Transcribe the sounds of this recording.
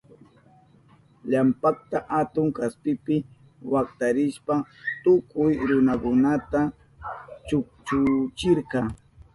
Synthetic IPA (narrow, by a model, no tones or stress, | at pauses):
ʎampak̚t̪aʔat̪ʊŋkaspɪpɪ | wak̚t̪aɾɪʃpat̪ʊkʊjɾʊnakʊnat̪a | t͡ʃʊkt͡ʃʊt͡ʃɪɾkɑ